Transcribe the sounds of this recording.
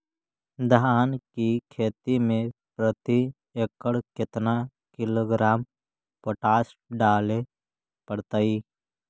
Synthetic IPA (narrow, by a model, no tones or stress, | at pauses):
d̪ʱaːnkikʰeːt̪imẽpɾət̪i | ekəɽket̪na | kɪloːɡɾaːm | poʈaːsɖaːle | pəɽt̪aiː